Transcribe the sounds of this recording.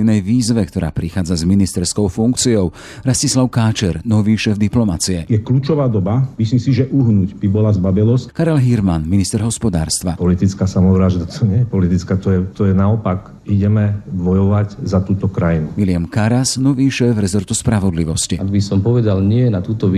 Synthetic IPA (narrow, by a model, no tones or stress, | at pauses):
nɛjʋiːzʋɛkt̪ɔɾʔa̰ːpɾixaːd͡zazminist̪ɛɾskɔʊfuŋkt͡siɔʊ | ɾascislaʊkaːt͡ʃɛɾnɔʋiːʃɛːvd̪iplɔmat͡siɛjɛkluːt͡ʃɔʋaːd̪ɔbamisiːmsiʒɛʔuɦnucbibɔlazbabɛlɔskaɾɛlɦiɾmanminist̪ɛɾɦɔspɔd̪a̰ːɾst̪ʋapɔlit̪it͡skaːsamɔʋɾaʒd̪at̪ʰɔɲɪɛjɛpɔlit̪it͡skaːt̪ɔjɛt̪ɔjɛnaɔpak | iɟɛmɛʋɔjɔʋaɟzat̪uːt̪ɔkɾajinumilɪamkaɾasnɔʋiːʃɛːvɾɛzɔɾt̪uspɾaʋɔd̪liʋɔsciaɡ̪bisɔmpɔʋɛd̪alɲɪɛnat̪uːt̪ɔʋ